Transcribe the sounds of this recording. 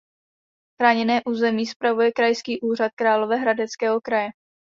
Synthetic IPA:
xɾaːɲɛnɛːʔuːzɛmiːspɾavujɛkɾajskiːʔuːr̝at̪̚kɾaːlo̞vɛɦɾadɛt͡skɛːɦo̞kɾajɛ

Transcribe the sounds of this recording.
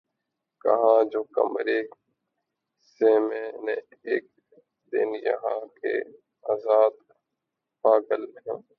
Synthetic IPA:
kə̰ɦãːd͡ʒoːkə̰mɾeː | seːmẽːnẽː | eːk̚ | d̪ɪ̰njə̰ɦãːkḛː | aːzaːd̪ | paːɡəlɦõː

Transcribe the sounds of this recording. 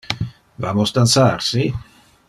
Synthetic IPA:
vamost̪ant̪sarsi

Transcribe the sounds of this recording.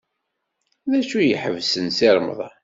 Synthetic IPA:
ðæʃujəħəvsənsiɾˤmə̰ðˤ

